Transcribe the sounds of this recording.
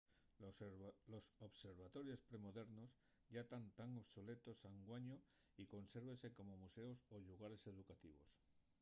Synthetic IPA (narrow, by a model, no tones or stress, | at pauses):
lo̞soβse̞ɾβat̪o̞ɾjo̞spɾe̞mo̞ðe̞ɾno̞s | ʝat̪ant̪aŋoβso̞le̞t̪o̞saŋɡwaɲo | iko̞nse̞ɾβe̞nse̞ko̞mo̞muse̞osoʎuɣaɾe̞se̞ðukat̪iβo̞̰s